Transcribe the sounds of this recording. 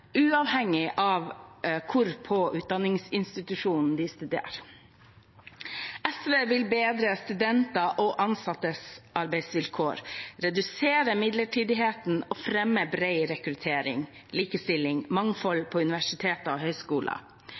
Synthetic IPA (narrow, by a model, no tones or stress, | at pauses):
ʉːɑʋhɛŋːɪʔɑʋkʰʊɾpʰɔʔʉːt̪̚d̪ɑnːɪŋsɪnst̪ɪt̪ʉʂuːnn̩d̪ɪst̪ʉd̪ḛːɾ | ɛsʋeːʋɪlbeːd̪ɾəst̪ʉd̪ɛnt̪ɑʔɔʔɑnsɑt̪ːəsʔɑɾbæɪsʋɪlkʰoːɾɾɛd̪ʉseːɾəmɪd̪ləʈʰiːd̪ɪɦeːt̪n̩ɔfɾɛmːəbɾeɪɾɛkɾʉt̪ʰeːɾɪ̰ŋ | liːkəst̪ɪlɪŋmɑŋfɔlpʰɔʉnɪʋæʂɪt̪ʰeːt̪ɔɦœʏskuːlʔɑ̰